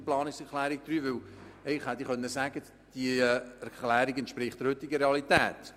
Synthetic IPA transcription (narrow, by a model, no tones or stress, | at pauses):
plɑːnɪksɛɾklæːɾiɡ̥̚d̥̪ɾyːʋʏl | ɛɪχhɛt̪iχœnːəsæɡ̥ə | d̥iæɾklæːɾiɡɛntʃpɾɪχtəɾhɵt̪ːɪɡəɾeɑlit̪æːt̪